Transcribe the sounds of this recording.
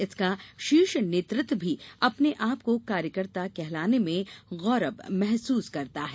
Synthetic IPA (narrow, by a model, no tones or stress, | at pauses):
ɪskaʃiːʃneːt̪ɾɪt̪bʱiɐpneʔaːpkokaːɾjəkəɾt̪akɛɦlaːnemẽɣɔːɾəbmɛɦsuːskɐɾt̪aɦɛː